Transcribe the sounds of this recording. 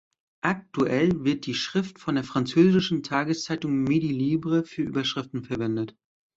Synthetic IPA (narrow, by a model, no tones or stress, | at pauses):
ʔak̚tuʔɛlvɪɐt̚d̥iːʃʁ̥ɪftfɔndeːɐfʁ̥ant͡søːzɪʃn̩tʰaːɡəst͡saɪtʊŋmediliːbʁəfyːɐʔy̰ːbɐʃʁ̥ɪftn̩fɛɐvɛndət